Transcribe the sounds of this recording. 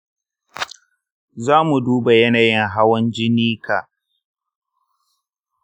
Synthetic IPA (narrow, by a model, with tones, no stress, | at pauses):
zaː˦mu˨duː˦ba˨jɐ˦naː˨jɪ˦ŋɦa˦wɐ˦nd͡ʒɪ˦niː˦kʰa˨ʔ